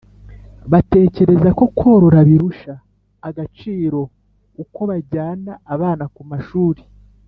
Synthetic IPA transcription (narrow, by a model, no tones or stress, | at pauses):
βate̞ːce̞ɾe̞zako̞kʰo̞ːɾo̞ɾaβiɾuʃaː | ɡat͡ʃiːɾo̞ | uko̞βaɾɟaːnaːβaːnakumaʃuːɾi